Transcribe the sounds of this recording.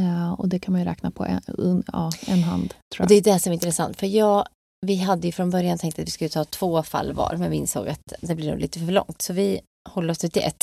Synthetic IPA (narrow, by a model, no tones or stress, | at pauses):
ɔ̰d̪ɛkʰanmanjɵɾɛ̰ːknapʰɔ̰ʔɛ̰ɑːɛnːɦa̰nd̪t̪ʰɾuːɔd̪ɛjəd̪ɛæsɔmɛɾɪnt̪ʰɾɛsa̰nt̪fœɾjɑː | vɪɦad̪ːəjɵfɾɔnbœɾjant̪ʰɛŋkt̪at̪vɪskɵlːət̪ʰɑːt̪ʰv̥oːfa̰lːvɑ̰ːɾmɛnvɪɪ̰nso̰ːɡat̪d̪ɛblɪɾnʊ̰ːliːt̪əfœɭɔ̰ŋt̪sɔvɪ | hɔlːəɾɔst̪ɪt̪ːɪʔɛ̰t̪ː